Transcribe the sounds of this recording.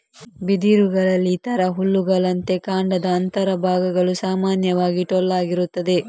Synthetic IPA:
bid̪iːɾuɡɐɭɐlːiːt̪ɐɾɐɦuɭːuɡɐɭɐnt̪e̞kaːɳɖɐd̪ɐːnt̪ɐɾɐbʱaːɡɐɡɐɭusaːmaːnjɐʋaːɡiʈɔlːaːɡiɾut̪ːɐd̪e̞

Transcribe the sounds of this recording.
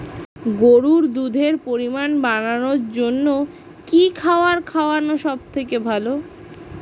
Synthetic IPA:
ɡoɾuɾd̪ud̪ʱeɾpoɾimanbananoɾd͡ʑonːo | kikʰaoaɾkʰaoanoʃɔb̚t̪ʰekebʱalo

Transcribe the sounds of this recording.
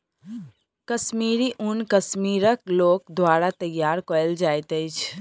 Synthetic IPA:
kəsmiɾiʔunkəsmiɾəklokd̪ʋaɾat̪əjaɾkəld͡ʒajt̪əɪt͡ʃʰ

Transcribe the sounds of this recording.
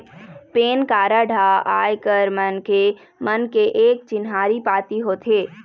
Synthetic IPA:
peːnkaːɾaɖʱaa̰ːjkəɾmənke | mənkeʔeːk̚t͡ʃɪnɦaːɾipaːt̪iɦoːt̪ʰeː

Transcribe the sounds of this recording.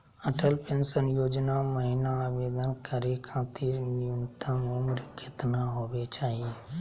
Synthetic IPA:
əʈʰəlpẽnsənjoːd͡ʒnaməɦɪnaʋeːd̪ənkəɾekʰãːt̪iːɾnɪjunt̪ʰãːmomʊɾəkʰːɪt̪naɦoːʋet͡ʃaːɦie

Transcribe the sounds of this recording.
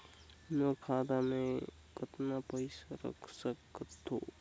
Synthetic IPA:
noɾkʰaːd̪amẽ | kət̪napəɪsaɾə̰kʰsəkət̪ːo̰ː

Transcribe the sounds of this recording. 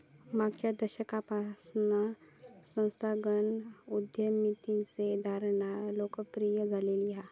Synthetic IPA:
maɡt͡ʃəd̪əʃəkapasna | sə̃nst̪ʰaɡənʊd̪jəmit̪insed̪ʱaːɾnaloːkəpɾijəd͡zalelija

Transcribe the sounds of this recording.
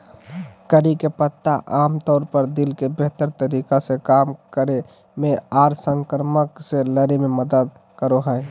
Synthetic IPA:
kəɾikepət̪ːaʔamt̪ɔːɾpəɾd̪ilkebeɦt̪əɾt̪əɾikasekamkəɾe | meaɾsəŋkəɾməkseləɾememəd̪əd̪̚ | kəɾoɦəj

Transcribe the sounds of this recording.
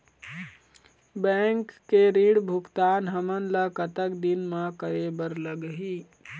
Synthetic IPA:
bɛ̃ːŋkːeɾiːɽbʱʊkt̪aːnɦəmənləkət̪əkd̪ɪnmãkəɾebəɾləɡɦi

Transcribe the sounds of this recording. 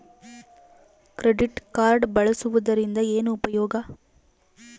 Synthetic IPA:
kɾeɖiʈkaːɾɖbɐɭɐsɯʋɐd̪ɐɾind̪ɐeːnuːpɐjɔːɡɐ

